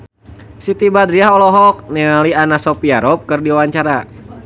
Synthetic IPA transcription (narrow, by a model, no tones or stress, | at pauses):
sit̪ibad̪ɾiaɦɔlɔɦɔk̚nɛalianasɔpiaɾɔp̚kɨrdiwaɲt͡ʃaɾa